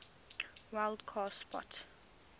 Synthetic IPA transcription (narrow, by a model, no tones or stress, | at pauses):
waɪldkʰɔspɔ̰t